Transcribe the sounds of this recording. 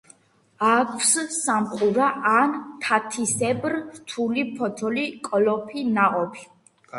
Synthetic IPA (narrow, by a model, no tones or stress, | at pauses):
akʰwssamqʼuɾaʔant̪ʰat̪ʰisɛbɾɾt̪ʰulipʰɔt̪ʰɔlikʼɔlɔpʰinaʔʼɔpʰi̥